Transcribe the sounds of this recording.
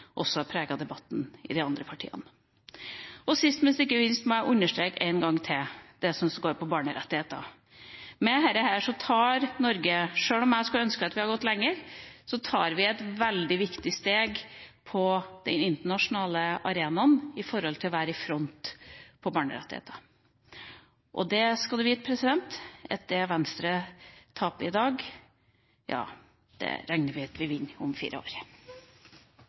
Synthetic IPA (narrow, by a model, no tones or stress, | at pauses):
ʔɔsːɔæpʰɾeːɡɑd̪ɛbɑt̪ːn̩ɪ̰d̪ɪɑnd̪ɾəpʰɑʈʰḭːə̰nə | ɔsɪst̪mɛnsɪkːəʋɪnst̪mɔæɪʔʉnːəʂʈɾeːkæ̰ɪnɡɑŋːt̪ʰɪld̪̥ɛsɔmsɡoːɾpʰɔbɑːɳəɾɛ̰t̪ːɪheːt̪ə̰ | mɛɦæɾəhæːʂɔt̪ʰɑːɾnɔɾɡəʂøːɭɔmjæɪskɑlœnskəɑt̪ʋɪhɑɾɡɔt̪ːlɛŋːəɾsɔt̪ʰɑːɾʋɪɛt̪ʋɛld̪ɪʋɪkt̪ɪst̪eːɡpʰɔd̪̥ɛnɪnt̪əɳɑʂʊnɑːləɑɾeːnɑnɪfɔɾhɔlt̪ʰɪlɔʋæːɾəfɾɔnt̪pʰɔbɑːɳə̰ɾɛ̰t̪ːɪhḛːt̪ʰə̥ | ʔɔ̰d̪ɛskɑlɛʋiːt̪pʰɾɛsɪd̪ɛnt̪ɛ̰t̪̚d̪ɛʋɛnst̪ɾət̪ʰɑːpɪd̪ɑːɡ | jɑ̰ː | d̪̥ɛ̰ɾæŋnəɾʋɪɑt̪ʋɪʋɪnːɔmfḭːɾəo̰ːɾ